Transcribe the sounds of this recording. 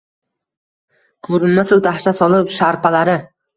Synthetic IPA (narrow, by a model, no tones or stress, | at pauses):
kʰɵɾɪnmasawt̪ʰahʃasɒlˠɪpʃaɾpʰalaɾɪ